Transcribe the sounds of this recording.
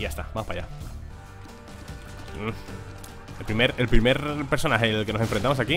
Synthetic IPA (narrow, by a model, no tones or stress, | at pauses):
ʝast̪abamopaja | elpɾimeɾe̞lpɾime̞ɾpe̞ɾso̞naxe̞lke̞nose̞ɱfɾe̞nt̪amosaki